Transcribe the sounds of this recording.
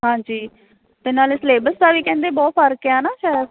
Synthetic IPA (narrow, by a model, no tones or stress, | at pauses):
ɦãːd͡ʒiː | t̪ɪnaːlesleːbəst̪aːʋiːkɛ̃ːnd̪eːbɔːt̪̚pʰəɾkjaːnaːʃɛː